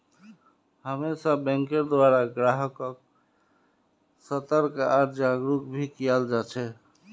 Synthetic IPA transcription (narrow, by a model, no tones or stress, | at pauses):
həmesabɛ̃ŋkeɾd̪waɾaɡɾaɦəkɔk | sət̪əɾkaaɾd͡ʒaɡɾukbʱikijald͡ʒat͡ʃʰɛ